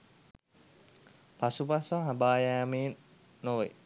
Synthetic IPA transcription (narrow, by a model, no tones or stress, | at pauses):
pasupasaɦabaːjaːmeːn | noʋḛ